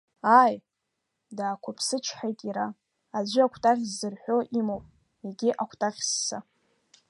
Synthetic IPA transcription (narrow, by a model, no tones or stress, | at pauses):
aj | daːkʷʰapʰsɨt͡ʃʰħajtʼiɾa | ad͡ʒʷʏakʷʰtʼaʁʲzːɨrħʷᶣo̞ʔimowpʼ | eɡʲiʔakʷʰtʼaʁʲsːa